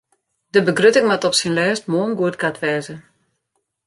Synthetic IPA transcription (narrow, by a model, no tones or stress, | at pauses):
dəbəɡrøtɪŋʋatɔpsinlɛːst̚moːnɡuətkʰatʋɛːzə